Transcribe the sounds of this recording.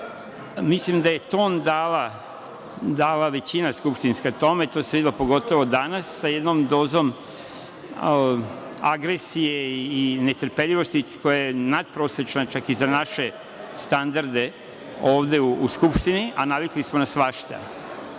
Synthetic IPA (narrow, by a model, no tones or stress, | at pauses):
mislimd̪aje̞t̪o̞ːnd̪aːla | d̪aːlaʋe̞t͡ɕinaskupʃt̪inskat̪o̞me̞t̪oseid̪ilopo̞ɡo̞t̪o̞ʋo̞d̪anasːajed̪nomd̪o̞ːzo̞m | aɡɾesijeinet̪ɾpeʎiʋo̞st̪iko̞jajenad̪̚pɾo̞ːsɾet͡ʃnat͡ʃakizanaʃe̞ | st̪and̪aɾd̪e̞ | oːʋd̪e̞uuskupʃt̪iniʔanaʋiklismonasʋaʃt̪a̰